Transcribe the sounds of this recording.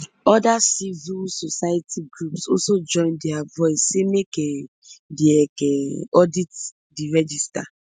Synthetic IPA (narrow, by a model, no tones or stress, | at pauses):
ɔdasivilsosajatʰiɡɹupsɔsod͡ʒɔ̃ɪ̃ndɛavɔɪsːemeke | deɛkɛɔdit | diɹɛd͡ʒista